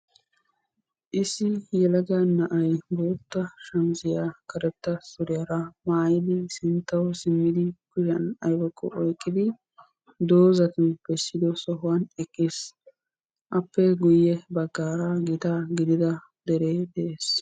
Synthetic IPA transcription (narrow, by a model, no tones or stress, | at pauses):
ʔɪsːɪjɛlɐɡɐnːɐʔɐjboːt̪ːɐʃɐmsɪjaːkɐɾɛt̪ːɐsʊɾɪjɐɾɐmaːjɪd̪ɪsɪnt̪ːɐwsɪmːɪd̪ɪkʊʃɐnɐjbɔkʰːɔ̰ʔɔjkʼːɪd̪ɪ | d̪oːzɐt̪ɪnb̥ɛsːɪd̪ɔsɔɦʊwɐnɛkʼːeːs | ʔɐpːɛɡʊjːɛbɐɡːaːɾaɡɪt̪aɡɪd̪ɪd̪ɐ | d̪ɛɾeːd̪ɛʔeːs